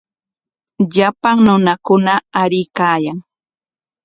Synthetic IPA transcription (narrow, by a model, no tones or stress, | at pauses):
ʎapaŋnʊnakʊnaːɾɪjkaːjaŋ